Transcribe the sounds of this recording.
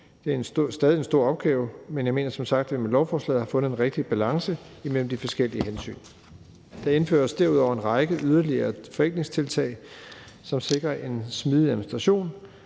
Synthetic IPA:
d̥e̝æɐesd̥ɛːðˠie̝nsd̥o̝ɐ̰ɒ̽b̥̚ɡ̥ɛːʊmenjɑ̈ɪme̝ːnɐsɒ̽msɑ̈ɡ̥̚d̥æʋimelɒʊfɒːslɛ̰ːð̩ˠhɑ̈fɔ̽nð̩ˠe̝nʁeɡ̥̚d̥ib̥ælɑ̈ŋsə | imel̰m̩d̥ifɒ̽sɡ̥el̰iəɦensy̰ːn | d̥ɑ̈e̝nfø̰ːɐsd̥eɐ̰uðˠɒʊ̰ɐenʁɑ̈ɪɡ̥əʔyð̞ˠɐliɐːfɒ̽eŋɡ̥ne̝ŋst͡sʰe̝lt͡sʰɛ̰ɪ | sɒ̽mse̝ɡ̥ʁɐʔe̝nsmiːð̞ˠiæðˠminisd̥ʁɑɕo̝̰ːn

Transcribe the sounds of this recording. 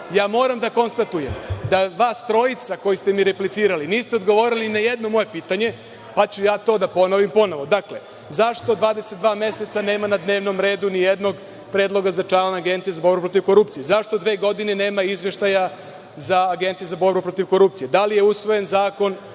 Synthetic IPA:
jaːmo̞ːɾamd̪ako̞nst̪at̪ujemd̪aʋaːst̪ɾo̞it̪sako̞jist̪e̞miɾeplit̪siːɾaliniːst̪eo̞d̪ɡo̞ʋoːɾilinajed̪no̞mo̞jepiːt̪aɲe̞ | pat͡ɕujaːt̪o̞ːd̪apo̞noʋimpo̞no̞ʋo̞d̪akle̞̰ | zaʂt̪od̪ʋaːd̪e̞set̪d̪ʋaːmje̞se̞t̪sane̞ːmanad̪ne̞ːʋno̞mɾe̞ːd̪unijed̪no̞ɡ | pɾeːd̪lˠo̞ɡazat͡ʂaːlonaɡe̞nt̪sijezabo̞ɾbupɾo̞t̪̬iʋko̞ɾup̚t̪sijezaʃt̪o̞d̪ʋe̞ːɡo̞d̪ine̞ne̞ːmaizʋeʃt̪aja | zaːɡe̞nt̪siezabo̞ɾbupɾo̞t̪iʋko̞ɾup̚t̪sijed̪alije̞usʋo̞jenzaːko̞n

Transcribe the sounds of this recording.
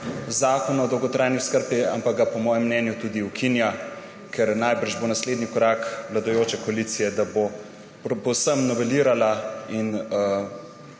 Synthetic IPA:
zaːkɔnɔd̪ɔwɡɔt̪ɾaːjniskəɾpia̰mpaɡ̚ɡapɔmɔːjɛmːnɛnjut̪uːd̪iwkʰinja | kʰɛɾnajbəɾʒbonasleːd̪nikɔɾaːkʋlad̪ɔjoːt͡ʃɛkɔalit̪sijɛd̪abo | pɔwsəmnɔʋɛliːɾalain

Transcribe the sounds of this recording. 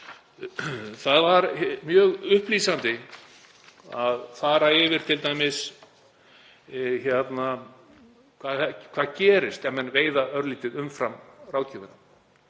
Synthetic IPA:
θaðvaɾmjœːɣʏhpliːsant̪ɪ | aðθaːɾaɪvɪɾ̥t̪ʰɪlt̪aːjmɪs | çjɛt̪na | kʰvakʰv̥aðcɛːɾɪst̪ɛmmɛnveːjðaœɾliːt̪ɪðʏmfɾamraːwcʰɪːvɪna

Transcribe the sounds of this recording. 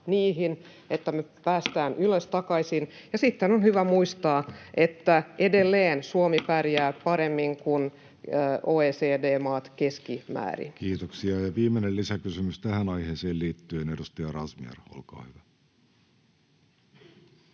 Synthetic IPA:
niːɦin | et̪ːæmepæːst̪æːnyløst̪ɑkɑisinjɑsit̪ːenonhyʋæmuist̪ɑːʔet̪ːæʔe̞delːeːnsuomipærjæːpɑɾemːiŋkunː | oːeːseːdeːmɑːt̪keskimæ̰ːrḭnkiːt̪oksiɑjɑʋiːmenellisækysymyst̪æhænɑiheːseːlliːt̪ːyenedust̪ɑjɑrɑsmiḛro̰lkɑ̰ːhyʋæ

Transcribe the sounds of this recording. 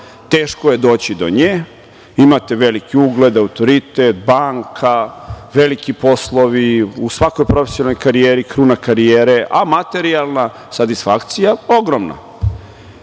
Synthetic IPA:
t̪eːʃkoje̞d̪o̞ːt͡ɕid̪o̞̰ɲeː | imat̪eʋelikiuɡled̪aut̪o̞ɾit̪et̪baŋkʰaʋe̞likipo̞slˠo̞ʋiusʋako̞jpɾo̞fesjonalnojkaɾijeːɾikɾuːnakaɾijeːɾeʔamat̪e̞ɾialˠna | sat̪isfakt̪sijao̞ɡɾomna̰

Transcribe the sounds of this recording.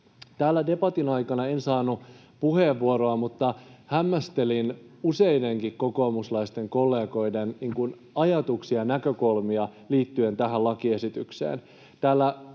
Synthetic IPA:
t̪æːlːæde̞bɑt̪inɑjkɑnɑensɑːnu | puheʋːuoɾoɑmut̪ːɑhæmːæst̪e̞linuse̞jde̞ŋkikko̞ko̞ːmuslɑist̪e̞ŋko̞lːe̞ːɡo̞jdenniːŋkun | ɑjɑt̪uksiɑnækø̞ko̞lmiɑliːt̪ːyent̪æɦælɑkie̞sit̪yksḛːn | t̪æːlːæ

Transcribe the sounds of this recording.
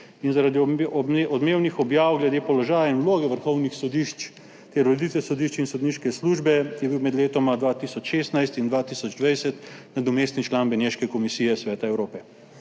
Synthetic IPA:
inzaɾad̪iɔd̪meːwnixɔbjaːwɡlɛd̪eːpɔlɔʒaːjainwloːɡɛʋəɾxɔwnixsɔd̪iʃt͡ʃ | t̪ɛɾːod̪it̪ʋɛsɔd̪iʃt͡ʃinsod̪niʃkɛsluːʒbɛjɛbiwmɛd̪leːt̪ɔmad̪ʋaːt̪isɔt͡ʃʃeːst̪najst̪ind̪ʋaːt̪isɔd͡ʒd̪ʋajsɛt̪nad̪ɔmeːst̪nit͡ʃlaːnbɛneʃkɛkɔmisiːjɛsʋɛːt̪aɛwɾoːpɛ

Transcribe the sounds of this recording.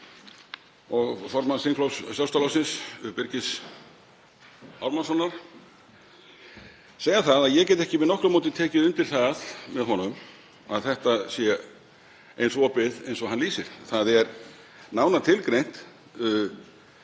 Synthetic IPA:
ɔɣfɔɾmansiŋkʰlowssjawst̪alasɪnsʏpɪɾcɪs | awɾmansɔnːaɾ̥ | seːjaθaðaðjɛcɛjt̪ɛhcɪvɪðnɔhkɾʏmoːwt̪ɪnt̪ʰɛːcɪðʏnt̪ɪɾ̥θaðmɛðɦɔnʏm | aðθɛht̪asjɛ | ejnsvɔːpɪðejnsɔɦanliːsɪɾ̥θaðɛɾ | naːwnaɾt̪ʰɪlkɾejn̥t̪

